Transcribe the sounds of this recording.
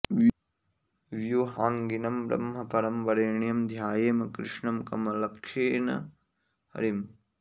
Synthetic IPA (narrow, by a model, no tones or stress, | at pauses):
ʋjuɦaːŋɡinɐmbɾɐ̰mɦɐpɐɾɐmʋɐɾeːɳijɐmd̪ʱjaːjeːmɐkɾɪ̰ʂɳɐmkɐmɐlɐkʂeːnɐ̰ | ɦɐ̰ɾim